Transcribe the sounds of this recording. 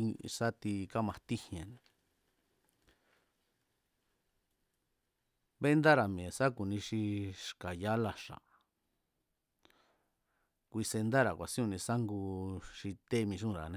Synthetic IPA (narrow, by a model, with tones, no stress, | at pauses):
sa˦t̪i˧ka˦mã˧t̪i˦hẽ˨nẽ˨ | βe˦nd̪a˦ɾa˨mĩ˨e˨sa˦ku˨nĩ˧ʃi˧ʂka˨ja˦la˧ʂa̰˨ | kʷi˧se˧nd̪a˦ɾa˨kʷa˨sĩ˦ũ˧nĩ˧sa˦ŋɡu˧ʃi˧t̪e˦˧mĩ˧ʃ̬ũ˦˧˨ɾa˨nẽ˧